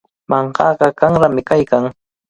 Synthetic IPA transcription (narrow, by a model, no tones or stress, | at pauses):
mɑɴɢɑːɢɑkaŋɾamɪkajkaŋ